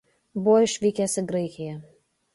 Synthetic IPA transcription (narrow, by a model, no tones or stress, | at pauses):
bʊʋɔɪʃʲʋʲiːkʲɛːsʲɪɡɾɐɪkʲɪjɛ